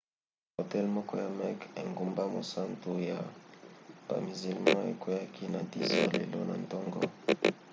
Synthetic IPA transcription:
o˨tɛ˦lmɔ˦kɔ˦ja˨mɛ˦ke˨ŋɡu˦mba˦mo˨sa˦ntu˨ja˨ | ba̰˨mi˨zi˨lma˦e˨kwe˦ja˦kʰi˦na˨ti˦sɔ˦˨le˨lɔ̰˦na̰˨ntɔ˦ŋɡɔ̰˦

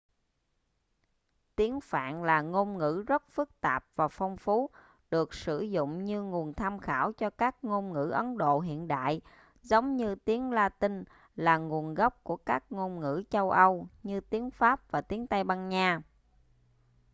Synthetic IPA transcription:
t̪i˨˦ənfa̰ː˧˨nlaː˨˩ŋo˧nŋɨ̰˧˥zə˦˥t̚fɨ˦˥k̚t̪aː˨˩p̚v̥aː˨˩fɔ˧wŋ͡mfu˨˦ | ɗɨ˨˩ək̚sɨ˧˩zʊ̰˧˨ŋ͡mɲɨ˧ŋu˨˩ənt̪ʰa˧mxaː˧˩wt͡ɕɔ˧kaː˦˥k̚ŋo˧nŋɨ̰˧˥ʔə˨˦nɗo̰˧˨ɦḭ˧˨ənɗa̰ː˧˨j | zə˨˦wŋ͡mɲɨ˧t̪i˨˦ənlaː˧t̪ï˧ŋ | laː˨˩ŋu˨˩ənɣɔ˦˥p̚ku˧˩əkaː˦˥k̚ŋo˧mŋɨ̰˧˥t͡ɕə˧wʔə˧wɲɨ˧t̪i˨˦ənfaː˦˥p̚vaː˨˩t̪i˨˦ənt̪a˧jɓa˧nɲaː˧

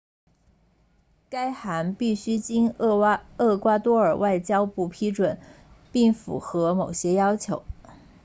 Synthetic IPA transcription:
ka˥ɪxa˧˥npi˥˩ɕy˥t͡ɕi˥n | ɤ˥˩kwa˥t̪wɔ˥ə˞˨˩wʔa˥˩ɪt͡ɕjɑ˥ʊpu˥˩pʰi˥ʈ͡ʂwə˨˩˦n | pi˥˩ŋfṵ˨˧˩xɤ˧˥mo˨˩ʊɕjɛ˥jɑ˥ʊt͡ɕʰjo̰˧˥ʊ

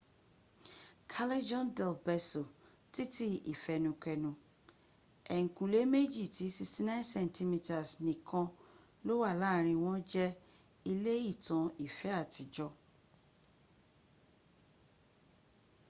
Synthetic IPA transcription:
kʰa˦le˦d͡ʒɔ̃˦ndɛ˨lbɛ˧so˨ | ti˦ti˦i˨fɛ˧nũ˧kɛ˧nũ˧ | ɛ˨ŋ̩˨kũ˨le˦me˦d͡ʒi˦˨ti˨˦si˧sti˦nã˦nsɛ̃˧˨n˨ti˧mi˧ta˨snĩ˨kã˧ | lo˦wa˦˨laː˦˨ɾ̃ĩ˧w̃ɔ̃˦d͡ʒɛ˦ | i˧le˦i˦˨tã˧i˦˨fɛ˨˦a˦˨tʰi˨d͡ʒɔ˧

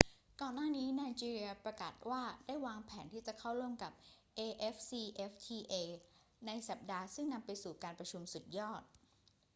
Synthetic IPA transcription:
kɔː˨˩nːaː˥˩niː˦˥naː˧jt͡ɕiː˧ɾi˧ɐpɾa˧kaː˨˩t̪̚waː˥˩daː˥˩jwaː˧ŋpʰɛː˩˦nt̪ʰiː˥˩t͡ɕa˨˩kʰa˥˩wɾu˥˩əmka˨˩p̚ | ʔeː˧ʔe˦˥f̚siː˧ʔe˦˥f̚t̪ʰiː˧ʔeː˧ | na˧jsa˨˩p̚daː˧sɯ˥˩ŋna˧mpa˧jsuː˨˩kaː˧npɾa˧t͡ɕʰu˧msu˨˩t̪̚jɔː˥˩t̪̚

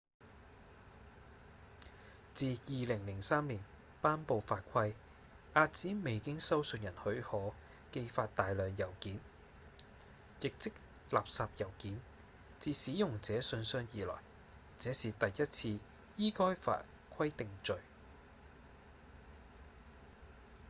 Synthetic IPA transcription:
t͡siː˨˧jiː˨lɪ˨˩ŋlɪ˨˩ŋsaː˥mliː˨˩n | paː˥npo˧wfaː˧t̚kʷʰɐ˥j | ʔaː˧t̚t͡siː˨˥me˨˩jkɪ˥ŋsɐ˥wsɵ˧njɐ˨˩nhɵ˨˥ɥhɔː˨˥ | ke˧jfaː˧t̚t̪aː˨jlœː˨ŋjɐ˨˩wkiː˨˥n | jɪ˨k̚t͡sɪ˥k̚ | laː˨p̚saː˨˧p̚jɐ˨˩wkiː˨˥n | t͡siː˧siː˨˥jʊ˨ŋt͡sɛː˨˥sɵ˧nsœː˧ŋjiː˨˩lɔ̰ː˨˩j | t͡sɛː˨˥siː˨t̪ɐ˨jjɐ˥t̚t͡sʰiː˧ | jiː˥kɔː˥jfa̰ː˧t̚ | kʷʰɐ˥jt̪ɪ˨ŋt͡ʃɵ˨ɥ

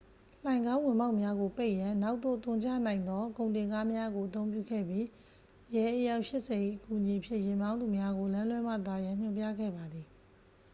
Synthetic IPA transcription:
l̥ã˨ɪ̃ŋɡã˦ʊ̃wɪ̃˨ma˦ʊʔmja˦ɡo˨pe˦ɪʔjã˨na˦ʊʔt̪o̰˦˨t̪ʊ̃˨ɲt͡ɕa̰˦˨nã˨ɪ̃nd̪ɔ˦kõ˨ʊ̃ntɪ̃˨ŋka˦mja˦ɡo˨ʔə˨t̪õ˦ʊ̃p̬jṵ˦˨ɡɛ̰˦˨bji˦ | jɛ˨ʔəja˦ʊʔʃɪ˦ʔsɛ˨ʔḭ˦˨ʔəku˨ʔɲi˨ʔəpʰjɪ̰̃˦˨jɪ̃˨mã˦ʊ̃nd̪u˨mja˦ɡo˨lã˦lwɛ˦m̥ä̰˦˨t̪a˨jã˨ɲ̥ʊ̃˨mpja˦˨ɡɛ̰˦˨ba˨d̪ði˨

